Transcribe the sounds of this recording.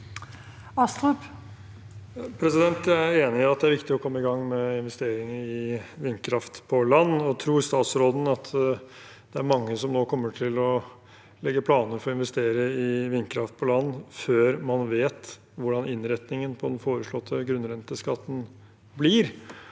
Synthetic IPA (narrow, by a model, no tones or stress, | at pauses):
ɑst̪up | pʰɾɛsɪd̪ɛnt̪æeːnɪɪɑt̪̚d̪ɛæɾʋɪkt̪ɪɔkʰɔmːəɪɡɑŋːmɛɪnʋɛst̪eːɾɪŋəɪʋɪnːkʰɾɑft̪pʰɔlɑnːɔt̪ʰɾuːɾst̪ɑːt̪sɾoːd̪n̩ɑt̪ʰ | d̪̥ɛæɾmɑŋːəsɔmnoːkʰɔmːəʈʰɪlɔ | lɛɡːəpʰlɑːnəɾfɔɾɔɪnʋɛst̪eːɾəɪʋɪnkʰɾɑft̪̚pʰɔlɑnːføːɾmɑnʋeːt̪ | ʋʊɖɑnɪnːɾɛt̪nɪŋənpʰɔd̪ɛnfoːɾəʂɭɔt̪ʰːəɡɾʉnɾɛnt̪əskɑt̪ːən̩ | bliːɾ